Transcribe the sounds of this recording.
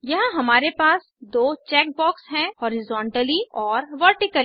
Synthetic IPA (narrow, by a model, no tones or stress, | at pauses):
jɐɦãɦɐmaːɾepaːs | d̪oːt͡ʃɛːk̚bɔːksɦɛ̃hɔːɾɪzɔ̃ːɳʈəliɔːɾʋəɾʈɪkəl